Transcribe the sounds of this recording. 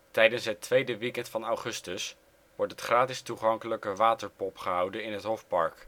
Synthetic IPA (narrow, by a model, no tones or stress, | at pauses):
tɛjdənsɦətʰʋejdəʋikɛntfɑnawχɵstəs | ʋɔɹtɦətχraːtɪstuχɑŋkələkəʋaːtəɹpɔpχəɦʌwdənɪnɦətɦɔfpɑɹk